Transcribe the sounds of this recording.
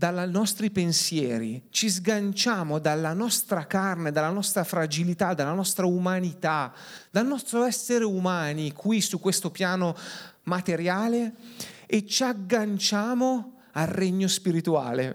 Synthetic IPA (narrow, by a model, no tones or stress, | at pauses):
d̪alanɔst̪ɾipensjɛːɾḭt͡ʃizɡant͡ʃaːmod̪alːanɔst̪ɾakarned̪alːanɔst̪ɾafɾad͡ʒilit̪ad̪ːalːanɔst̪ɾaumanit̪ad̪̥alnɔst̪ɾoɛsːeɾeumaːnikʰwisukːwest̪opjaːnomat̪eɾjaːle | et͡ʃaɡːant͡ʃaːmo | alrːeɲːospiɾit̪ua̰ːlḛ